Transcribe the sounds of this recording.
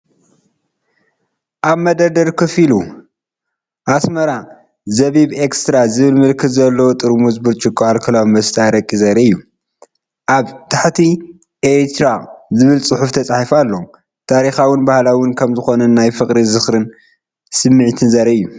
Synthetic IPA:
ʔaβmɐd̪ɐd̪ɐɾkʰɨfilu | ʔasmɐɾa | zɐβiβekst̪ɾazɨβɨlmɨlkʰɨt̪zɐlːɐwot̪ʼɨɾmuzbɨɾt͡ʃʼɨkʼːoalkʰɐlawmɐst̪ʰʼaɾɐkʼːizɐɾɐɨjːu | ʔaβt̪ʰaħt̪ʰi | ʔet̪ʰɾazɨβɨlsʼɨħuft̪ʰɐt͡sʼaħifalːo | t̪ʰaɾixawʊnbahlawʊnkʰɐmzɨxo̞nɐnnajfɨkʼɾizɨxɾɨn | sɨmːɨʕt̪ʰɨnzɐɾɐɨjːu

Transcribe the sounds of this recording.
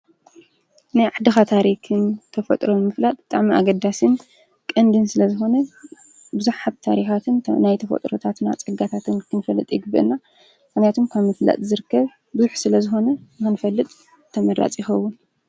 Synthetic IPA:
najʕaħd̪ɨxat̪ʰaɾikʰɨnt̪ʰɐfɐ̰t̪ʼɾomɨflat̪ʼbɨt̪ʼaʕmiʔa̰ɡɐd̪asɨn | kʼɐnd̪ɨnsɨlɐzɨxo̞nɐ | bɨzuħħabt̪ʰaɾixat̪ʰɨnnajt̪ʰɐfɐ̰t̪ʼɾo̰t̪ʰat̪na̰t͡sʼɐɡat̪ʰat̪ʰɨnkʰɨnɨfɐlːɨt̪ʼjɪɡɨbɨ̰ʔɨ̰nːa | mɨxnjat̪ʰomkʰaβmɨfla̰t̪ʼzɨɾɨkːɐβ | bɨzuħsɨlɐzɨxo̞nɐnɨxɨnfɐlːɨt̪ʼ | t̪ʰɐmɐɾa̰t͡sʼjɪxɐwːʊn

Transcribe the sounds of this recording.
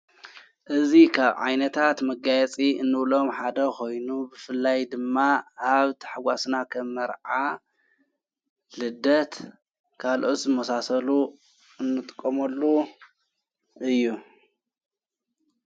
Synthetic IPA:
ʔɨzikʰaβʕa̰jnɐt̪ʰat̪mɐɡajɛt͡sʼiɨnːɨβlo̞mħad̪ɐkʰo̞jnubɨfɨlːajd̪ɨmːaaβt̪ʰɨ̥ħɨwasnakʰɐmːɐɾʕa | lɨd̪ɐt̪ | kʰalʔo̞t̪zɨmɐsasɐlu | ɨnːɨt̪ʼɨkʼːɐmɐlːu | ʔɨjːu

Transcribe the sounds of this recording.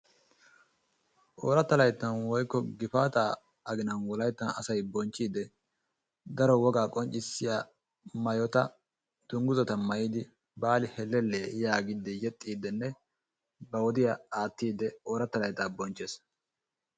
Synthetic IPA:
ʔoːɾɐt̪ːɐlɐjt̪ːɐnwɔjkːɔɡɪfaːt̪aː | ɐɡɪnɐnwɔlɐjt̪ːɐnɐ̰sɐjbɔnt͡ʃʼːiːd̪ɛ | d̪ɐɾɔwɔɡaːkʼɔnt͡ʃʼɪsːɪja | mɐjɔt̪ɐ | d̪̥ʊŋɡʊzɐt̪ɐmɐjiːd̪ɪ | baːlɪhɛlːɛlːeːjaːɡɪd̪ɛjɛt̪ʼːiːd̪ɛnːɛ | bɐwɔd̪ɪjɐaːt̪ːiːd̪ɛoːɾɐt̪ːɐlɐjt̪aːbɔnt͡ʃːes

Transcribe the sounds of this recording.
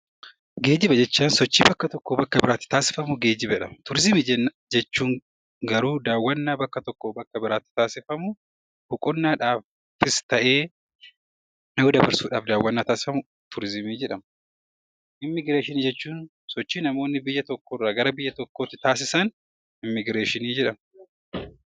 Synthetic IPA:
ɡe̞ːd̪ɪbɐd͡ʒɛt͡ʃːaːnsɔt͡ʃːiːbɐkːɐt̪ɔkːoːbɐkːɐbɪɾaːt̪ːɪ̥t̪aːsɪ̥fɐmʊɡe̞ːd̪ɪbɛᶑɐ̰mɐt̪ʊɾɪzɪmid͡ʒɛ | d͡ʒɛt͡ʃːuːŋ | ɡɐɾuːd̪aːwːɐnːaːbɐkːɐt̪ɔkːoːbɐkːɐbɪɾaːt̪ːɪ̥t̪aːsɪfɐmʊ | hʊkʼʊnːaːᶑaːf | ɪst̪ɐʔeː | oːd̪ɐbɐɾsuːᶑaːfd̪aːwːɐnːaːt̪aːsɪ̥fɐmʊ | t̪ʰʊɾɪzɪmiːd͡ʒɛᶑɐm | ʔɪmːɪɡɾeːʃɪniːd͡ʒɛt͡ʃːuːn | sɔt͡ʃːiːnɐmo̞ːnːɪbɪjːɐt̪ɔkːɔrːaːɡɐɾɐbɪjːɐt̪ɔkːoːt̪ːɪt̪aːs̬ɪsɐn | ɪmːɪɡɾeːʃɪniːd͡ʒɛᶑɐm

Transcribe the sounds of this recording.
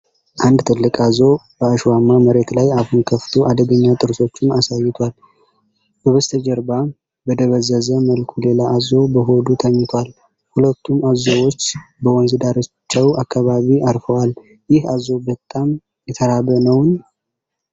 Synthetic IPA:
ʔand̪t̪ʰɨlːɨkʼazo̞b̥əaʃwamːaməɾe̞t̪lajahunkʰəft̪ʰoʔad̪əɡəɲːat̪ʼɨɾso̞t͡ʃːɪnasajɪt̪ʰwal | ɡəβɨst̪ʰəd͡ʒəɾba | bəd̪əβəzːəzəməlkʰule̞laːzo̞bəɦo̞d̪ut̪ʰəɲːɪt̪ʰwal | hulət̪ʰːumazowo̞t͡ʃːbəwɔnzɨd̪aɾot͡ʃːɛwakʰːaβaβiaɾfəwal | jɪhazo̞bət̪ʼːam | jɛt̪ʰəɾaβənəwn

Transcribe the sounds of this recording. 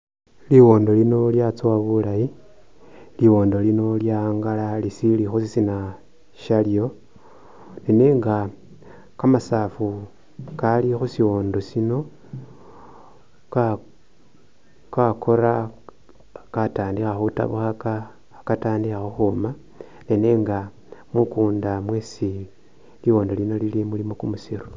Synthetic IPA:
liwo̞ːndo̞lino̞ljat͡sowaβulaji | liwo̞ːndo̞lino̞ljaŋɡalalisilixusisina | ʃaljo̞ | nineːŋɡa | kamasafu | kalixusiwo̞ːndosino̞ | ka | kakʰo̞ɾa | kataːndixaxuta̰βuxakaː | kataːndixaxuxuma | neneːŋɡa | mwukuːndamwesi | liwo̞ːndo̞lino̞lilimulimokumusiɾu̥

